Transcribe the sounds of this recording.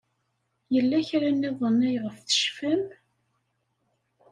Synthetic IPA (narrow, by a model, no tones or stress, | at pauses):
jəlːæçɾænːæðˤənːæjʁəfθə̥ʃfæm